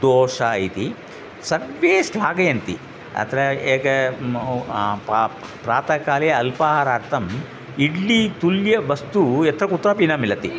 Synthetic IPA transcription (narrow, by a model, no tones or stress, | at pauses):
d̪oːʂaːjt̪i | sɐɡʋeːsʈlaːɡɐjɐnt̪i | ɐ̰t̪ɐɾɐeːkɐ | ppɾaːt̪ɐkaːlejɐɐlpaːɦaːɾaːɾt̪ʰɐm | iɖːit̪uljɐʋɐst̪uɛt̪ɾɐkut̪ːɾaːpiːnɐmilːɐt̪i